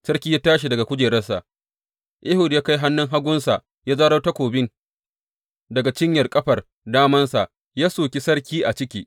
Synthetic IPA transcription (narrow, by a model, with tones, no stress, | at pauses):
sɐ˦rkʲiː˦jaː˦taː˦ʃ̬i˨dɐ˨ɡa˨kʷʊ˦d͡ʒeː˨ɾɐ˦sːa˨ʔ | ʔɪ˦hʊ˨djaː˦ka˦jɦa˦nːʊ˦ŋɦa˦ɡʷʊ˦nsa˨ʔ | jaː˦zaː˦ɽɐ˦wta˦kʷoː˨bɪ˦n | dɐ˨ɡa˨t͡ʃɪ˦ɲjɐ˨rkʼɐ˦ɸɐ˨r | daː˦mɐ˦nsa˨ʔ | jaː˦soː˨kʲi˦sɐ˦rkʲiː˦ʔa˨t͡ʃɪ˦kʲiː˦